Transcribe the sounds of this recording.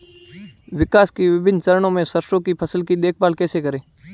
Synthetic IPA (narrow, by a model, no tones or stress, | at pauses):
ʋɪkaːskiʋɪbɪnt͡ʃəɾəɳõːmẽsəɾʃõːkipʰəsəlkid̪eːk̚ʰbaːlkɛːsekəɾẽː